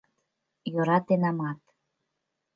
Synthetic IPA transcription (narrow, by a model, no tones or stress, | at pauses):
joɾɑt̪enɑmɑt̪